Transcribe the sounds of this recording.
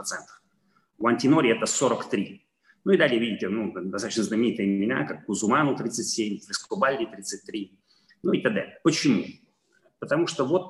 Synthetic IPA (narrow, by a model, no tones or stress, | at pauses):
ɐt̪sɛnt̪ə̥f | vɐnʲtʲɪno̞ɾʲɪɛt̪əsoɾəkt̪ɾʲi | nuid̪alʲɪəvʲidʲɪtʲɪnud̪ɐsat̪ɕnəznəmʲɪnʲit̪ɨjəmʲɪna̰kakːʊzʊmanʊt̪ɾʲit̪sɨtʲsʲemʲlʲɪskʊbalʲːit̪ɾʲit̪sɨt̚ʲt̪ːɾʲi | nuit̪aɡ̚d̪a̰lʲɪpət͡ɕɪmu | pət̪ɐmuʂt̪ovo̞t̪